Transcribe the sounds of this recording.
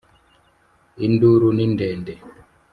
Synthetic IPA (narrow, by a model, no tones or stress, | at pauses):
induɾunindɛːndɛ